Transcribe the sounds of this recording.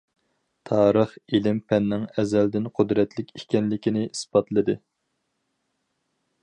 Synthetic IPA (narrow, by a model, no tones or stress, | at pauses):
t̪ʰɑːɾəχilɪmpʰɛnːɪŋɛzæld̪ɪnqʰod̪ɾɛt̪ʰlɪkʲikʲɛnlɪkʲinɪʔisbɑt̪lˠɨd̪ɨ